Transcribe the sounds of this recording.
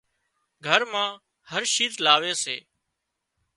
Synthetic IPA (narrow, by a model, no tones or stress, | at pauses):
ɡʱəɾmãː | həɾʃiːzlaːʋeːseː